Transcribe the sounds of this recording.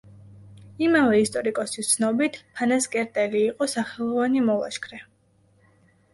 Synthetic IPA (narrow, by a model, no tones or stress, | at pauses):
imavɛist̪ʼɔɾikʼɔsist̪sʰnɔbit̪ʰpʰanaskʼɛɾt̪ʼɛliːqʼɔsaχɛlˠɔvanimɔlˠa̰ʃkʰɾɛ